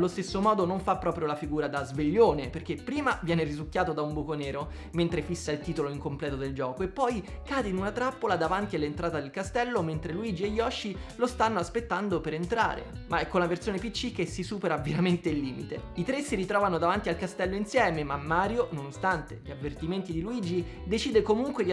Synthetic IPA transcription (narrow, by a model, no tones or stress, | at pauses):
lːost̪esːomɔːd̪onoɱfapːɾɔːpɾjolafiɡuːɾad̪azveʎːoːneperk̟epːɾiːmavjɛːnerizukːjaːt̪od̪aumbukoneːɾo | ment̪ɾefisːailt̪iːt̪oloiŋkomplɛːt̪od̪eld͡ʒɔːkoepːɔjkaːd̪einunat̪ɾapːolad̪avant̪ialːent̪ɾʔaːt̪ad̪elkast̪ɛlːoment̪ɾeluiːd͡ʒieʎːɔʃːilost̪anːoaspet̪ːand̪opeɾent̪ɾa̰ːɾḛmaɛkːolaversjoːnepit͡ʃːik̟ːesisuːpeɾaveɾament̪eilːiːmit̪eit̪ɾesiɾit̪ɾɔːvanod̪avant̪ialkast̪ɛlːoinsjɛːmemamːaːɾjononost̪ant̪eʎavːert̪iment̪id̪iluiːd͡ʒid̪et͡ʃiːd̪ekomuŋkwed̪i